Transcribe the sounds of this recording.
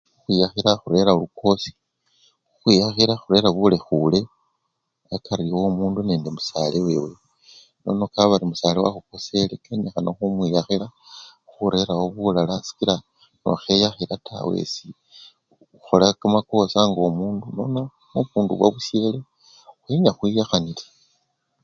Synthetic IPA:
uxwiːjaxiɾaxuɾe̞ɾaolukʰo̞si̥ | uxwijaxiɾaxuɾe̞ɾaβulexule̞ | akaɾiwomuːndune̞ːndemusaleweːwe | no̞̰nokaβaɾimusalewa̰xuko̞se̞lekenexanoxumwijaxiɾaxuɾe̞ɾawoβulalasi̥kiɾa | no̰xe̞jaxiɾatʰa̰we̞̰si | uxolakamako̞saŋɡomuːnduno̞na | oβuːnduβwa̰βuse̞le | xwiɲaxwijaxanile

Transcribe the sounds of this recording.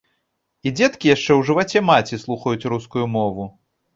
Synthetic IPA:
id͡zʲɛt̪kʲijaʂt͡ʂɛwʐɨvat͡sʲɛmat͡sʲislˠuxɐjut͡sʲɾuskujumɔvu

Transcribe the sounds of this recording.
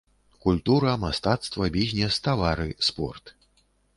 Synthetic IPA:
kulʲt̪uɾɐmast̪at̪st̪vɐbʲizʲnʲɛst̪avaɾɨspɔ̰rt̪

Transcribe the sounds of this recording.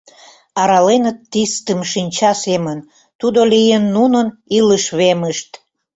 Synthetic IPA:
ɑɾɑlenət̪ːist̪əmʃinʲt͡ɕɑsemən | t̪ud̪olijenːunəniləʃβeməʃt̪

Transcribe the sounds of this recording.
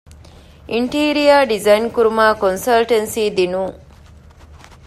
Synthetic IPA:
ʔiɳʈiːɾijaːɖizɐjnkuɾumaːkonsɐlʈensiːd̪inuːŋ

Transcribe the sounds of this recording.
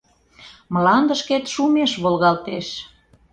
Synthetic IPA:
məlɑnd̪ə̆ʃket̪ʃumeʃβolɣɑlt̪eʃ

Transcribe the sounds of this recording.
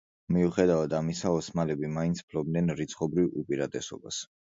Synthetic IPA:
miuχɛd̪avad̪amisaɔsmalɛbimaint̪sʰpʰlɔbnɛnɾit̪sʰχɔbɾivṵpʼiɾat̪ʼɛsɔ̰ba̰s

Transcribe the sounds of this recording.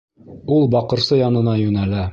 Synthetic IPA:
ulˠbɒqɤ̆ɾsɤjɒnɤ̆nɑjʉnælæ

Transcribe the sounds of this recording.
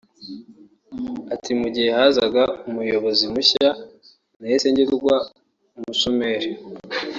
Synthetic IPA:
atʰimuɟihe̞hazaɡaumujo̞βo̞zimuça | naese̞ːɲɟeɾuɡwa | umusomeɾe

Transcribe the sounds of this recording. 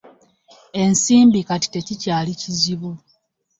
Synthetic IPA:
e̞nsiːmbikati̥te̞cicaːliciziβo

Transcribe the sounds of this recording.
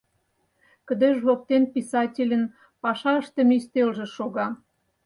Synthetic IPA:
kə̆d̪eʒlok̚t̪enpisɑtʲelʲə̆n | pɑʃɑəʃt̪ĕmist̪elʒĕʃoɣɑ

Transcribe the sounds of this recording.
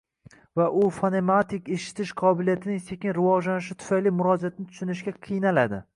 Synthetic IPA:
vaʔʊfonemat̪ʰɪkʲeʃɪ̥t̪ʰɪʃqʰɒbɪlijat̪ʰɪnɪŋse̞kʲɪnɾɪvɒʒlanɪʃ̬ɪt̪ʰʊ̥fajlimʊɾɒzat̪nɪt̪ʰʊ̥ʃʊnɪʃɡʲaqʰɨjnalad̪ɪ̰

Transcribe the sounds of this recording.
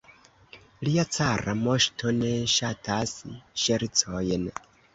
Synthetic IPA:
liat͡saɾa̰moʃtʰoneʃatʰasiʃeɾit͡sojen

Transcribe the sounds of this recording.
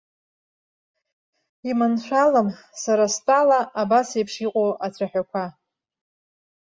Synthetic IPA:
imanʃʷᶣalam | saɾastʼalaabasejpʰʂiqʼowʔat͡sʷʰaħᶣakʷʰa

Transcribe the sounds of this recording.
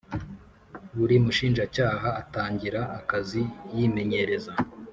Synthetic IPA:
βuɾimuʃiːnʒacaːɦaːtaːɲɟiɾaʔːkazijime̞ɲe̞ɾe̞za

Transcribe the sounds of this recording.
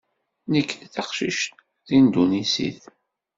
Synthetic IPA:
nəkːθɑqʃiʃt̪ | θind̪unisḭθ

